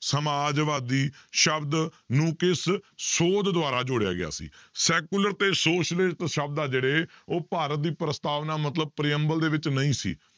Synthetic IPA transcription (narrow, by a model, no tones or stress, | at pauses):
səmaːd͡ʒʋaːd̪iːʃəbd̪ | nũːkɪssoːd̪d̪ʊaːɾaːd͡ʒʊɽɪja̰ːɡɪ̰a̰ːsḭːsɛːkuləɾt̪eːsoːʃəlɪʈt̪ʃəb̚d̪aːd͡ʒeːɽeːoːpaːɾət̪̚d̪iːpɾəst̪aːʋnaːmət̪ləb̚pɾɪjəmbəld̪eːʋɪt͡ʃnəĩːsḭː